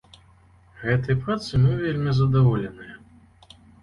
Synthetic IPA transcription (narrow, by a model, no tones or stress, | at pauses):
ɣɛt̪ɐjpɾat̪sɨmɨvʲelʲmʲizɐd̪avɔlʲɛnɨjɐ